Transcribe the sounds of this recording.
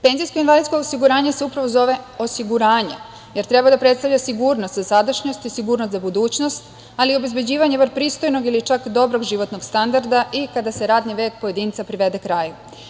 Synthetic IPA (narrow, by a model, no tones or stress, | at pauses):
penzijskoinʋalid̪skoosiɡuɾaːɲeseupɾaʋo̞zo̞ʋe̞o̞siɡuɾaːɲe̞̰ | je̞ɾt̪ɾe̞bad̪apɾe̞t̪st̪avʎʲasiɡuːɾno̞st̪zasad̪aʃɲo̞st̪isiɡuːɾnost̪zabud̪uːt͡ɕno̞st̪ | alio̞be̞zbe̞d͡ʑiːʋaɲeʋaɾpɾiːst̪ojno̞ɡilit͡ʃakd̪o̞bɾo̞ɡʒiʋo̞t̪no̞ɡst̪and̪aɾd̪aʔikad̪aseɾaːd̪niʋe̞ːk̚po̞je̞d̪iːnt̪sapɾiʋe̞d̪ekɾaːju